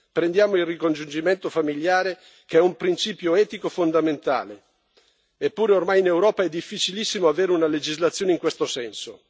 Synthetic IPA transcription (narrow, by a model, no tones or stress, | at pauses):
pɾend̪jaːmoilrikond͡ʒund͡ʒiment̪ofamiljaːɾe | keɛumpɾint͡ʃiːpjoɛːt̪ikofond̪ament̪a̰ːle | epːuːɾeormajinewɾɔːpaɛd̪ːifːit͡ʃilisːimoaveːɾeunaled͡ʒizlat̪sːjoːneiŋkwest̪osɛnso